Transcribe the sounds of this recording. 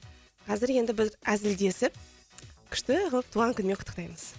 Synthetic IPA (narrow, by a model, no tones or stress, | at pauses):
qʰɑzɪɾje̞nd̪ɪbɪzæzɪld̪e̞sɪp̚ | kʲʰʏ̥ʃt̪ɪqʰəlˠəp̚t̪ʰuʁɑŋkʲʰʏnmʲe̞qʊ̥t̪ːə̥qt̪ɑjməz̥